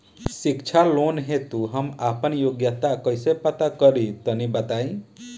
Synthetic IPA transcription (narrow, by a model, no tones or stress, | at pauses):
sikt͡ʃʰalonɦet̪uɦəmapənjoɡjət̪akəsepət̪akəɾit̪ənibət̪ai